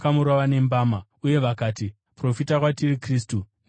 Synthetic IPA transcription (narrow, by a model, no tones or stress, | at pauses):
kamuɾaʋane̞mbaːma | uje̞ʋakaːti | pro̞fitakwatirikriːstu